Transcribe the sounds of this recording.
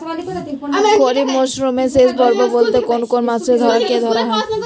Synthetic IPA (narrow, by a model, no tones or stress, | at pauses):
koɾibmoʃɾumesesbɔɾbobolt̪ekonkonmasɾed̪ʱɔɾaked̪ʱɔɾaɦɔe